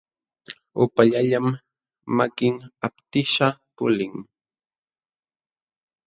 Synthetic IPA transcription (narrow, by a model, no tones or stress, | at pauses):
ʊpaʎaʎamː | akɪŋapt̪ɪʃapʊlɪŋ